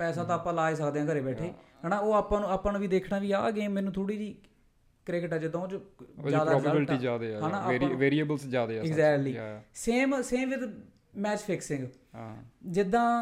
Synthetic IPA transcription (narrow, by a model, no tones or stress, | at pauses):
pɛːsãːt̪ãːaːpãːlaːeːs̬əkd̪eːãːkəɾeːbɛːʈʰeːɦɛːnaːoːaːpãːnũːaːpãːnũːiːd̪eːkʰnaːʋiːa̰ːɡeːmɛ̃ːnũːt̪ʰoːɽiːd͡ʒiː | kɾɪkəʈɛːd͡ʒɪd̪ãːod͡ʒd͡ʒaːd̪aɔːbaːɪlʈiːd͡ʒaːd̪eɦãːnaːʋeːɾiəbəlsd͡ʒaːd̪eːɪɡzɛːkʈliːseːmseːmʋɪd̪ | mɛːt͡ʃpʰɪksɪ̃ŋɡ | d͡ʒɪd̪ːãː